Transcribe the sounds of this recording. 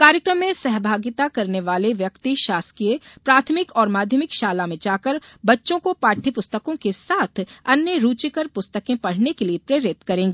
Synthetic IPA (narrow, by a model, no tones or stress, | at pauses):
kaːɾjəkɾəmːẽsɛɦbʱaːɡɪt̪akɐɾneʋaːleʋjɐkt̪iʃaːskijepɾaːt̪ʰmɪkɔːɾmaːd̪ʱjəmɪkʃaːlamẽt͡ʃaːkəɾbɐtːʃõkopaːʈʰːipʊst̪əkõkesaːt̪ʰɐnjəɾuːt͡ʃɪkəɾpʊst̪əkẽpɐɽ̤nekeliepɾeːɾɪt̪kɐɾẽːŋɡeː